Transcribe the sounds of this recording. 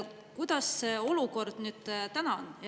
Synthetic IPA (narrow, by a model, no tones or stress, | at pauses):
kujd̪̥ɑsːeo̞luko̞rd̪̥nyːd̪̥t̪ænɑn